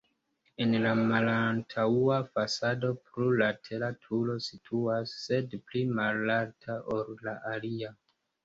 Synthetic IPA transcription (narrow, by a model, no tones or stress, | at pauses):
enlamalantʰauafasado̞pɾulatʰelatʰulo̞sitʰuasːe̞dplimalːaɾtʰaʔoɾlaʔalia